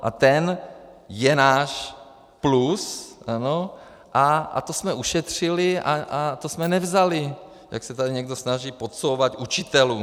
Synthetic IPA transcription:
ʔa̰t̪ɛnjɛnaːʃ | plusʔano | ʔaa̰t̪osmɛuʃɛt̪r̝̥ɪlɪa̰ʔat̪osmɛnɛvzalɪ | ja̰ksɛt̪adɪɲɛɡdo̞snaʒiːpo̞t̪sowvat̪ʔut͡ʃɪt̪ɛluː

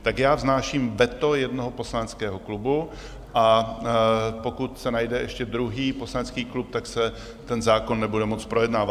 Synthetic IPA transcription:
t̪akjaːvznaːʃiːmvɛt̪ojɛdnoɦopo̞slanɛt͡skɛːɦoklubu | ʔa | po̞kut̪sɛnajdɛʔɛʃcɛd̪ɾuɦiːpo̞slanɛt͡skiːklup̚t̪aksɛ | t̪ɛnzaːkonːɛbudɛmo̞t͡spɾo̞jɛdnaːva

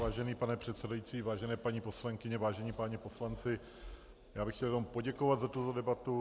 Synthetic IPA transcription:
aːʒɛniːpanɛpr̥ɛt̪sɛdajit͡siːvaːʒɛnɛːpaɲiːpo̞slaŋkɪɲɛvaːʒɛɲiːpaɲɛpo̞slant͡sɪ | jaːbɪxcɛljɛnompo̞ɟɛkovad̪zat̪ut̪odɛbat̪u

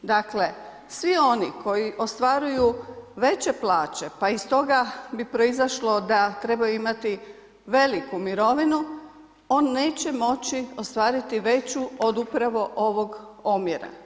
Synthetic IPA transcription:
d̪akle | sʋio̞niko̞jiʔo̞st̪ʋaːɾujuʋe̞t͡ɕe̞plˠaːt͡ɕe̞paist̪o̞ɡabipɾo̞izaʃlo̞d̪at̪ɾe̞bajuimat̪i | ʋe̞likumiɾo̞ʋinu | o̞ːnːe̞ːt͡ɕe̞mo̞t͡ɕio̞st̪ʋaːɾit̪iʋe̞t͡ɕuo̞d̪upɾaʋo̞ʔo̞ʋo̞ɡomjeɾa̰

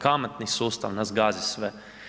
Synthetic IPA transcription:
kamat̪nisuːst̪aʋnazɡaːzʲisʋɛ

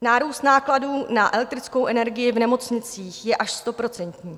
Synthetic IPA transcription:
naːɾuːst̪naːkladuːnaʔɛlɛk̚t̪ɾɪt͡sko̞wʔɛnɛɾɡɪjɪvnɛmo̞t͡sɲɪt͡siːxjɛʔaʃst̪o̞pɾo̞t͡sɛnt̪ɲiː

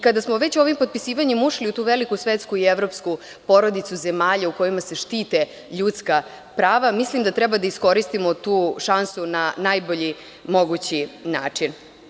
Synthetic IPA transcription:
kad̪asmoʋe̞t͡ɕuoʋimpo̞t̪̚pisiːʋaɲemuʃliut̪uːʋelikusʋet̪skuievɾo̞psku | po̞ɾo̞d̪it̪suze̞maːʎauko̞jimase̞ʃt̪iːt̪e | ʎut̪ska | pɾaːʋamislimd̪at̪ɾɛbad̪aisko̞ɾist̪imot̪uːʃansunanajbo̞ʎi | mo̞ɡut͡ɕinaːt͡ʂin

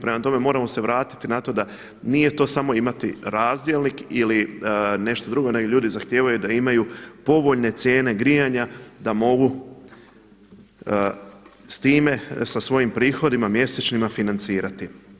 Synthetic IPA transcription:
pɾe̞mat̪o̞me̞mo̞ːɾamo̞se̞ʋɾaːt̪i̥t̪inat̪o̞d̪a | nije̞t̪o̞ːsamo̞imat̪iɾaːzd̪jelˠnikiline̞ʃt̪od̪ɾuɡo̞ne̞ɡoʎuːd̪izaxt̪je̞ːʋajud̪aimajupo̞ʋo̞ʎne̞t̪sʲje̞ːne̞ɡɾijaɲad̪amo̞ɡu | st̪iːme̞sasʋo̞jimpɾiːxo̞d̪imamje̞se̞t͡ɕnimafinant̪siːɾat̪i

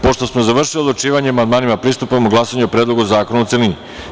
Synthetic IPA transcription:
po̞ʃt̪o̞smozaʋr̩ʃiliod̪ot͡ʃiːʋaɲeamand̪maːnimapɾiːst̪upomoɡlasaɲuopɾeːd̪lˠo̞ɡuzaːkonut̪selini

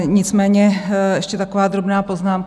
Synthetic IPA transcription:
ɲɪt͡smɛːɲɛɛʃcɛt̪akovaːd̪ɾo̞bnaːpoznaːm

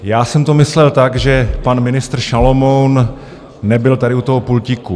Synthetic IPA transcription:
jaːsɛmt̪omɪslɛlt̪aɡʒɛpanmɪnɪst̪r̩ʃalomownː | ɛbɪlt̪adɪut̪oɦopulcɪku

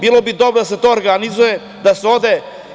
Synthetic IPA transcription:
biːlˠobid̪obɾod̪aset̪o̞ːɾɡanizuje | d̪aseod̪e

